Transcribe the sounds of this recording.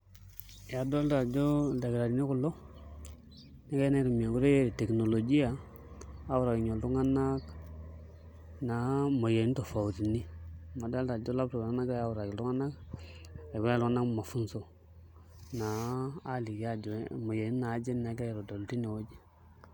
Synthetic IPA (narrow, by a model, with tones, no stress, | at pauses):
ja˨do˦lta˨d͡ʒo˦da˨ɡɾa˨di˨ni˦ku˨lo˦ | ni˦ka˦na˦ɾu˨m˨a˨ɡu˦ɾe˦je˦ɾi˨te˨kno˨lo˨d͡ʒi˦ja˨ | a˦wu˦ɾa˨ki˨ɲo˨ltu˦ŋa˦na˦k | na˨mo˨je˨˦n˦to˨fa˨wu˨ɾi˨ni˦ma˨da˦lta˨d͡ʒo˦la˦p̚to˨a˦na˦ka˦a˦wu˨ɾa˨ki˨lu˦ŋa˦na˦k | a˨ɡa˦lu˦ŋa˦na˦kma˨fu˦n˦so˨ | naː˨˦li˨ɡa˨d͡ʒmo˨je˨ni˦na˨˦d͡ʒe˦nna˨˦ɡa˦jɾo˨do˨lti˦ni˨wo˦d͡ʒi˦